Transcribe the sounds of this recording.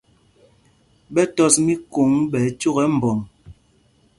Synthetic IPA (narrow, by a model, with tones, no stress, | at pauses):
bɛ˦tɔ˦smi˦ko˨˦ŋɓɛ˨˦t͡ʃu˦ɣɛ˨˦m̩˨bɔ˨ŋ